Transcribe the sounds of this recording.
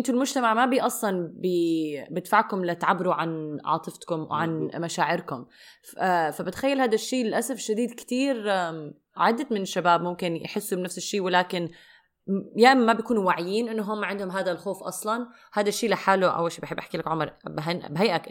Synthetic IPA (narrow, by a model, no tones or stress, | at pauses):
ʔɪnt̪ʊlmʊd͡ʒt̪amaʕmabiʔɑsˤlɑnbibɪt̪faʕkʊmlat̪aʕabːɪɾuʕanʕɑ̰ːt̪ˤɨft̪kʊmw̰ʕanmaʃaːʕɪɾkʊm | fabɪt̪xajːalhaːd̪aʃːiːlɪlʔasafʃad̪iːd̪kt̪iːɾ | ʕad̪ːat̪mɪnɪʃːabaːbmʊmkɪnj̰ħɪsːubnafsɪʃːiːwɪlaːkɪn | jaːʔmːabjkuːnuwaʕɪjiːnʔɪnːʊɦʊmːaʕɪnd̪hʊmɦaːd̪alxoːfʔɑ̰sˤlɑn | haːd̪aʃːiːlaħaːluʔa̰wːalʃiːbħɪbʔaħkilakʕʊmɑɾˤbɦnbɦajʔak